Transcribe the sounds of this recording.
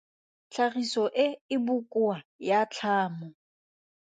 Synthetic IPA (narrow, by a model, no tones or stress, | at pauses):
t͡ɬʰaɣisɔʔɪɪbʊkʼʊajat͡ɬʰaːmɔ